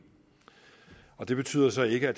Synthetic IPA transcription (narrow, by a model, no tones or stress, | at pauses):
ɒ̽d̥e̝b̥e̝t͡sʰy̰ːð̰ˠɐsɒ̽e̝ɡ̥əæd̥